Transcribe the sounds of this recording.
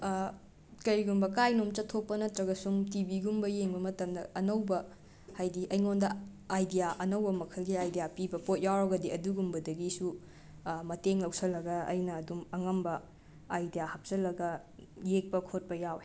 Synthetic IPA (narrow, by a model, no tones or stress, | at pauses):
kɐɾiɡumbɐkajnomt͡ʃɐtʰːopːɐnɐtɾɐɡɐsuŋtibiɡumbɐjeŋbɐmɐtɐmdɐɐnɐwbɐ | hajdiʔɐjŋondɐajdijaʔɐnɐwbɐmɐkʰɐlɡiajdijapibɐpot̚jawɾɐɡɐdiɐduɡumbɐdɐɡisu | mɐteŋlɐwsɐlːɐɡɐɐ̰jnɐːdumɐŋɐmbɐ | ajdijahɐp̚t͡ʃɐlːɐɡɐ | jek̚pɐkʰot̚pɐjawe